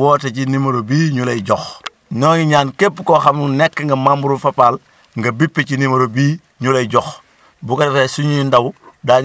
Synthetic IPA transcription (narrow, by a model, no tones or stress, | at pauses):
woːtecinimɐɾobiːɲulejɟɔx | noːŋiɲaːnkeːpːkoːxamnunekːŋɡɐmambuɾufɐpaːl | ŋɡɐbipːecinimɐɾobiː | ɲulejɟɔx | bukɐtɐtesuɲiindɐwdaː